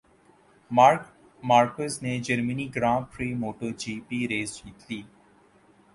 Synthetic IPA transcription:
aɾ | maːɾkəzneːd͡ʒəɾməniːɡɾãːfɾiːmoːʈəɾd͡ʒiːpiːɾeːzd͡ʒiːt̪liː

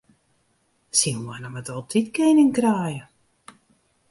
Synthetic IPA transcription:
sinwɔnəmətɔlˠtʰitkenɪŋkraːjə

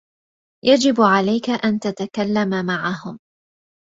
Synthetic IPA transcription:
jad͡ʒɪbʕalajkaʔant̪at̪akalːamamaʕaɦʊm

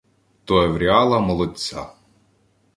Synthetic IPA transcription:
t̪ɔeʋɾʲiɑlˠɐmɔlˠɔt͡sʲːa̰

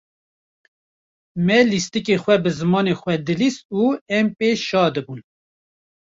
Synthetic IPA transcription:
mɛlist̪ɨkexʷɛbɨzɨmɑːnexʷwɛd̪ɨlist̪̚uːɛmpeːʃɑːd̪ɨbun

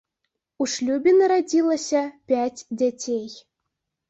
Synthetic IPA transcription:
uʂlʲubʲinɐɾad͡zʲilˠɐsʲɐpʲad͡zʲd͡zʲat͡sʲej

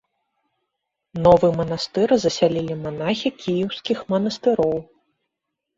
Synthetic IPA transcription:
nɔvɨmɐnast̪ɨɾzɐsʲalʲilʲimanaxʲikʲʰijiwskʲixmɐnɐst̪ɨɾɔw

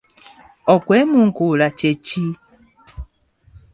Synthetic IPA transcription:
ɔkwemuŋkulat͡ʃeci

